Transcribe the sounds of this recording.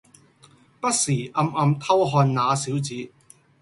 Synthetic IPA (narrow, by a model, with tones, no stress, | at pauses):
pɐ˥t̚siː˨˩ʔɐ˧mɐ˧mt̪ʰɐ˥wɦɔː˧nnaː˨˧siː˨˥wt͡siː˨˥